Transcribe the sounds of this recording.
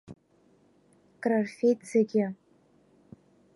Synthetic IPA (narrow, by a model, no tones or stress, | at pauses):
kʼrarfʲejtʰʼz̥eɡʲɪ